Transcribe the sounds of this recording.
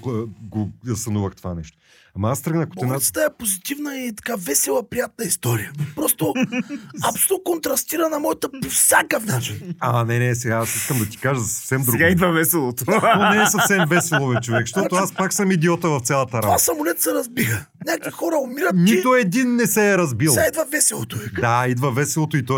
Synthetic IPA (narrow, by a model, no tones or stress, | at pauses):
ɡoɐsɐnuvəxt̪ova̰nɛʃt̪o̥ | amɐast̪ɾəɡnɐkot̪ɛnat̪ə̥t̪əɛpozit̪ivnəit̪ɐ̥kavɛsɛlˠəpɾijat̪̚nəist̪ɔɾijəpɾɔst̪o | ɐsut̪nkont̪ɾɐst̪iɾənɐmɔjət̪əpofsʲjakəfnat͡ʃinanɛnɛsɛɡaasiskəmd̪ɐt̪i̥kaʒəzɐsɐfsɛmd̪ɾuɡɡaid̪vəvɛsɛlˠot̪ot̪ɔnɛɛsɐfsɛmvɛsɛlˠonɐt͡ʃovɛkʃt̪ɔt̪oaspaksɐmid̪iɔt̪əvɐft̪sʲalˠɐt̪ɐɾamasɐmʊlʲɛt̪sɛɾɐzbixə | nʲakixɔɾəʊmiɾət̪nit̪ʊɛd̪inːɛsɛːɾɐzbilˠɛid̪vɐvɛsɛlˠot̪ʊvɛd̪aid̪vəvɛsɛlˠot̪oit̪ɔ